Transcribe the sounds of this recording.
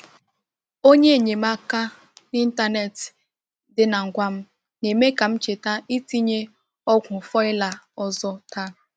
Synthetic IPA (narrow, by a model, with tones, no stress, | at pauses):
o˦ɲe˦e˨ɲe˨m̩˦a˦ka˦ | ni˦n̩˦ta˦ne˨t | dɪ˦na˨ŋ̩˨ɡʷa˦m̩˦ | ne˨me˦ka˨m̩˦t͡ʃe˨ta˦i˦ti˦ɲe˦ | ɔ˦kʷʊ˨fɔ˦ɪ˦la˨ɔ˦zɔ˦ta˦˨